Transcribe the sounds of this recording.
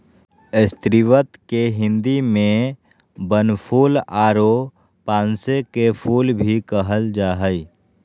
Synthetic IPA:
ɪst̪ɾiʋət̪keɦɪ̃nd̪imẽ | bənpʰuːlaːɾo | pãːnsekepʰuːlbʱikəɦəld͡ʒaːɦəi

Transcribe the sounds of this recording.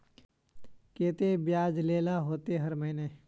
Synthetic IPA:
keːt̪ebjaːd͡ʒleːlaɦoːt̪eɦɐɾməɦɪneː

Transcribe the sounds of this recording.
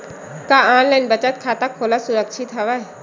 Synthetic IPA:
kaaːnlaːɪnbət͡ʃət̪̚kʰaːt̪akʰoːlasʊɾəkʃʰɪt̪ɦɐʋaɛ

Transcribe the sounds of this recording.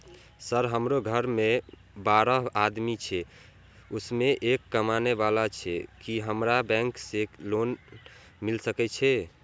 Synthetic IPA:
səɾɦəmɾoɡʱəɾme | baɾəɦad̪mit͡ʃʰɛ | usmeʔekːəmaneβalat͡ʃʰɛ̰kiɦəmɾabɛ̃ŋkselon | milsəkɛt͡ʃʰɛ

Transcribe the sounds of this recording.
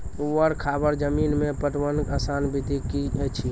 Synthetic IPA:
uəɾkʰabəɾd͡ʒəminmepəʈʋənkəsanbid̪ʱikiət͡ʃʰi

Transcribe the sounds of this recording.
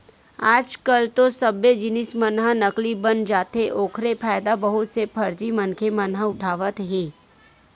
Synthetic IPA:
aːd͡ʒkəlt̪osɐbːed͡ʒɪnɪsmɐnɦanɐklibɐnd͡ʒaːt̪eʔoːkʰɾepʰaːɪd̪abɐɦʊt̪sepʰɐɾd͡ʒimɐnkʰemɐnɦãʊʈʰaːʋət̪ɦiː

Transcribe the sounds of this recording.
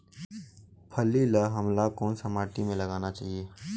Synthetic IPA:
pʰəliləɦəmlakoːnsəmaːʈimẽləɡaːnat͡ʃaːɦije

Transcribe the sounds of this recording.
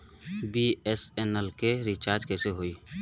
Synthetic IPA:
biɛsɛnəlkeɾit͡ʃaːɾd͡ʒkɛseɦoi

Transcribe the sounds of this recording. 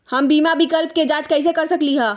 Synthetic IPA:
həmbiːmabikəlp̚ked͡ʒad͡ʒkəɪs̬ekəɾsəkliɦɛ̃

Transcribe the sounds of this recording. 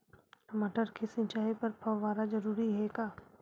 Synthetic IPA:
mɐʈəɾkʰisɪ̃nt͡ʃaːipɐɾpʰɐʋaːɾazɐɾuːɾiɦɛkaː

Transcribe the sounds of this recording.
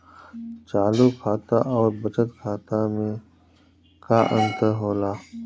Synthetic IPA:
t͡ʃaːluːkʰaːt̪aʔɔːɾbət͡ʃət̪kʰaːt̪amẽ | kaːʔə̰̃nt̪əɦoːlaː

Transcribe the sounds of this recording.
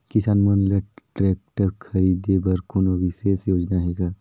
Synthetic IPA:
kɪsaːnmɐnlɐʈɾɛːk̚ʈəɾkʰɐɾiːd̪ebɐɾkunoʋiʃesjoːd͡ʒnaɦɛɡaː

